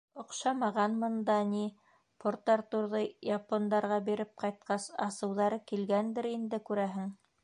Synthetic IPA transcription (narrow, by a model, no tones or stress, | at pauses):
ŏqʃɑmɑʁɑnmɤ̆nd̪ɑni | pʰoɾt̪ːɑɾt̪uɾðɤjɑpond̪ɑɾʁɑbiɾɘp̚qɑjt̪̚qɑsɑsɤ̆wðɑɾɤkilɡænd̪ɘɾind̪ɘkʉɾæɦɘŋ